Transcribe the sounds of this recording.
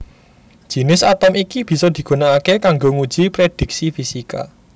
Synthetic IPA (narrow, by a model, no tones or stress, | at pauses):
d̥ʒ̥i̤nɪsat̪ɔmikib̥i̤sɔd̪̥i̤ɡ̥unaːkekaŋɡoŋud̥ʒ̥ipɾed̪̥i̤k̚sifisika̰